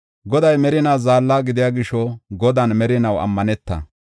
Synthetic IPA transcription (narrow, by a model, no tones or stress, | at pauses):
ɡɔd̪ɐjmɛɾɪnaːzaːlːaːɡɪd̪ɪjaːɡɪʃɔɡɔd̪ɐnmɛɾɪnɐwɐ̰mːɐnɛt̪ːɐ̰